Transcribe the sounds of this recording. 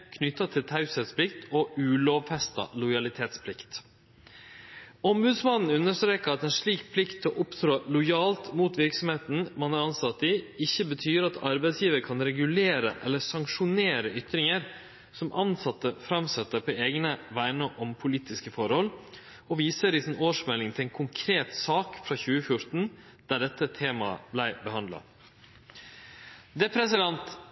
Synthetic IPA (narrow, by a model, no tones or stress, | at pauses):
kʰnʏt̪ːɑt̪ʰɪlt̪ʰɑʉsɛt̪spʰlɪkt̪ʰɔʉːloːʋfɛst̪ɑ̰lʊjɑlɪt̪ʰeːt̪spʰlɪkt̪ | ɔmbʉːd̪smɑnn̩ʉnːəʂt̪ɾeːkəɾɑt̪ɛnʂɭiːkpʰlɪkt̪ʰːɔʔʊpt̪ɾoːlʊjɑːlt̪muːt̪ʋɪɾksɔmheːt̪n̩mɑnɑɾɑnsɑt̪ːɪɪçːəbət̪ʰyːɾɑt̪ʰɑɾbæɪsjiːʋəɾkʰɑnɾɛɡʉleːɾə̰ʔɛ̰lːəsɑŋkʂʊneːɾəʏt̪ɾɪŋəɾ | sɔmʔɑnsɑt̪ːəfɾɑmsɛt̪ːəpʰɔeːɡnəʋæɪnəʔɔmpʰʊliːt̪ɪskəfɔɾhɔlː | ɔʋiːsəɾɪsɪnoːʂmɛlːɪŋt̪ʰɪlɛɪnkʰʊŋkʰɾeːt̪sɑːkfɾɑːçʉːəfjʊɾt̪n̩ | d̪̥æɖɛt̪ːət̪ʰeːmɑ̰blæɪbəhɑnd̪lɑ̰ | d̪ɛpʰɾɛsɪd̪ɛnt̪